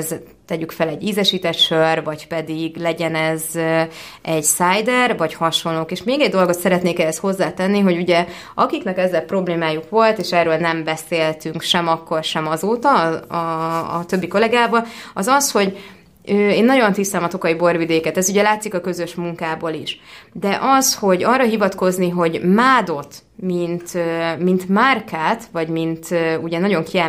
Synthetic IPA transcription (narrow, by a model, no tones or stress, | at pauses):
z | t̪ɛɟykfɛlɛɟːiːzɛʃiːt̪ɛt̪ʃørvɒcpɛd̪iɡlɛɟɛnɛzø | ɛɟsaːjd̪ɛrvɒchɒʃonloːkeːʃmeːɡɛɟd̪o̞lɡo̞t̪sɛɾɛt̪neːkɛɦɛst̪ho̞zːaːt̪ɛnːiɦo̞ɟuɟɛ | ɒkiknɛkɛzːɛlpro̞bleːmaːjukʋo̞lt̪eːʃɛːrːøːlnɛmbɛseːlt̪yŋkʃɛmɒkːo̞rʃɛmɒzoːt̪ɒɒ̰ːt̪ø̞bːiko̞lɛɡaːbɒlɒzɒsho̞ɟ | øːeːnːɒɟo̞nt̪ist̪ɛmɒt̪o̞kɒibo̞rvid̪eːkɛt̪ɛzuɟɛlaːt̪sikɒkø̞zø̞ʃmuŋkaːboːliʃd̪ɛʔɒsho̞ɟɒrːɒɦivɒt̪ko̞zniɦo̞ɟmaːd̪o̞t̪ | mint̪ømint̪markaːt̪vɒɟmint̪øuɟɛnɒɟo̞ŋkiɛ